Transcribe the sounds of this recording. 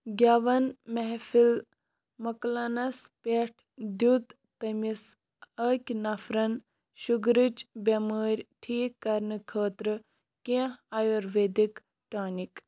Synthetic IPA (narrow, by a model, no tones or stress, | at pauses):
ɡʲɐʋɐnmeɦfil | mɐklɐnɐspeːʈʰd̪jut̪ | t̪ɐmis | əːkʲnɐfɾɐn | ʃuɡɾɨt͡ʃbʲɐməːɾʲʈʰiːkːɐɾnɨkʰəːt̪ɾɨ | kʲẽɐjoɾʋeːd̪ik | ʈaːnik